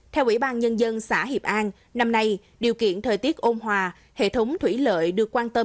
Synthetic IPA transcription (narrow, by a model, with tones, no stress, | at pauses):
t̪ʰɛ˧wʔḭ˧˥˩ɓaː˧nɲə˧nzə˧nsa̰ː˧˥ɦi˨˩əp̚ʔaː˧n | na˧mna˧j | ɗi˨˩əwkḭ˧˨ənt̪ʰəː˨˩jt̪i˦˥ət̚ʔo˧mɦwaː˨˩ | hḛ˧˨t̪ʰə˨˦wŋ͡mt̪ʰwi˧˩lə̰ː˧˨jɗɨ˨˩əkːwaː˧nt̪ə˧